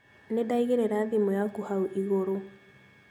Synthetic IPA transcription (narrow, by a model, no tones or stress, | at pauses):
nedaiɣeɾeɾaðimɔjakuhauʔiɣoɾo